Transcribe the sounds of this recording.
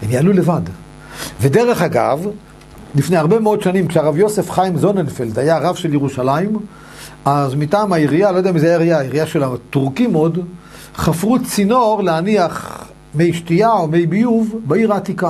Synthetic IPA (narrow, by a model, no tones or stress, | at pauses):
emjaalulevad | vede̞ʁe̞χaɡa̰v | lifneaʁbe̞meo̞dʃanimkʃeaʁavjo̞se̞fχajimzo̞nenfeld̪ajaʁavʃeljeʁuʃalaim | azmitaːmaiʁialojd̪eamizeajaajajiʁiaʃelatuʁkimo̞d̪ | χafʁut͡sinoʁleaniaχ | me̞jʃtiaomejbijuvbeiʁaːt̪ika